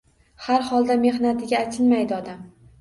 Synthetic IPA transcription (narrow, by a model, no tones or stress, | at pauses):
haɾhɒlˠd̪ame̞hnat̪ʰɪɡʲaːt̪ʲʰɪlmajd̪ɪɒd̪am